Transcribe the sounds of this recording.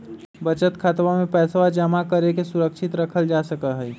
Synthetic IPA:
bət͡ʃət̪kʰaːt̪ʋamẽpɛːswad͡ʒəmakəɾekesʊɾəkʃɪt̪ɾəkʰəld͡ʒaːsəkəɦɛː

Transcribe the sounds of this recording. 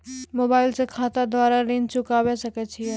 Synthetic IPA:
moːbaːɪlsekʰaːt̪ad̪waːɾaɾẽnd͡ʒt͡ʃʊkawesɐkɛt͡ʃʰiɛ

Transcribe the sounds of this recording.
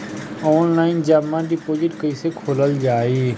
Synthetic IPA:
ɔːnlaːɪnd͡ʒaːmːãɖɪpoːd͡ʒɪʈkəisekʰoːləld͡ʒaːiː

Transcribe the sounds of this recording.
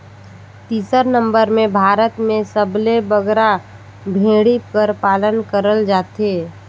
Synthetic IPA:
t̪iːsəɾnə̃mbəɾmẽbʱaːɾət̪mẽsəblebəɡɾa | bʱẽːɽikəɾpaːlənkəɾəld͡ʒaːt̪eː

